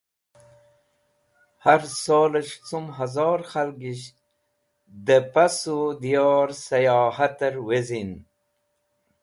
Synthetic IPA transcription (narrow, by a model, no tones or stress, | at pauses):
haɾsoːləʃt͡sumɦazɑːɾxalɡiɕ | d̪əpasud̪ijɑːɾsajɑːhat̪əɾwezin